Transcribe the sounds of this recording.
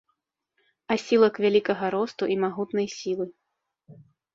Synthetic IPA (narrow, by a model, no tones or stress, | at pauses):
asʲilˠɐkvʲalʲikɐɣɐɾɔst̪uʔimaɣut̪nɐjsʲilˠɨ